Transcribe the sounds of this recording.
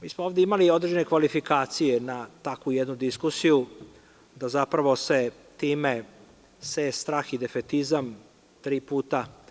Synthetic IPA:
miːsmooːvd̪eimalio̞d̪ɾed͡ʒe̞nekʋalifikaːt̪sijenat̪akujed̪nud̪iskusiju | d̪azapɾaʋo̞se̞ | t̪iːme | sest̪ɾaːxid̪e̞fet̪izam | t̪ɾiːpuːt̪a

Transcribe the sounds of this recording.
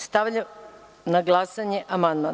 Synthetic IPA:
st̪aʋʎa | naɡlˠaːsaɲe̞ʔamand̪ma

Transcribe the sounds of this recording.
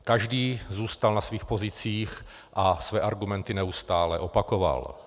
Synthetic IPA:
kaʒdiːzuːst̪alnasviːxpo̞zɪt͡siːx | ʔasvɛːʔaɾɡumɛnt̪ɪnɛust̪aːlɛʔo̞pakova̰l

